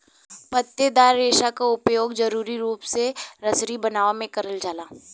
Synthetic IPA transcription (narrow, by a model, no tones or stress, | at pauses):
mɐt̪jəd̪aːɾːeːʃakaʊpjoːɡd͡ʒɐɾuːɾiɾuːpseɾɐsɾibɐnaːʋamẽkɐɾəld͡ʒaːlaː